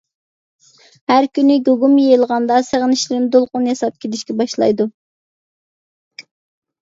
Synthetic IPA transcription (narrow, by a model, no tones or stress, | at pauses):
hæɾkʲynɪɡoɡumjelˠʁɑnd̪ɑseʁənɪʃlɪɾɪnd̪olˠqʊnjɑsɑp̚kʲʰed̪ɪʃkʲɛbɑʃlˠɑ̰jd̪u